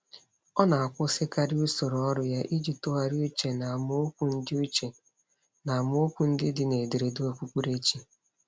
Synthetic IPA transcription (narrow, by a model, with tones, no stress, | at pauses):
ɔ˦na˨a˨kʷʊ˦sɪ˦ka˦ɾu˦so˨ɾɔ˦ɾʊ˦ja˦ʔi˦d͡ʒi˨to˦a˨ɾi˦u˦t͡ʃe˨na˨mʊ˦kʷu˦n̩˦dɪ˦u˦t͡ʃe˨ | na˨m˦ʊ˦o˦kʷu˦n̩˦dɪ˦dɪ˦ne˨de˨ɾe˨du˦e˨kʷu˦kʷu˦ɾe˦t͡ʃi˦